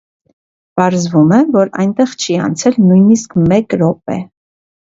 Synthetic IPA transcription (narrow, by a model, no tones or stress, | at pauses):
pɑɾzvumɛvɔɾɑ̰jnt̪ɛʁt͡ʃʰiɑ̰nt͡sʰɛlnujniskmɛkɾɔp̚ɛ̰